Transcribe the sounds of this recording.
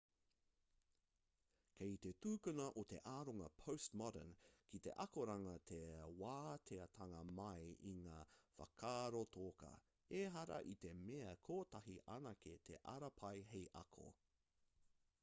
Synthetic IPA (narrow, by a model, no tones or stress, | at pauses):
kʰejt̪e̞t̪uːkʉnɐʔot̪e̞ʔaːɾoŋɐpʰowstmɑdə̰nkʰit̪e̞̰ʔɐkoɾɐŋɐt̪ʰewaːt̪ʰeɐt̪ʰɐŋɐmɐjḭŋaːfɐ̰kʰaːɾot̪ʰoːkɐ̰ | eɦɐɾɐ̰ʔit̪e̞meɐkʰoːtɐɦiʔɐnɐket̪ʰeʔɐɾɐpʰɐjɦejʔɐ̰kʰo̰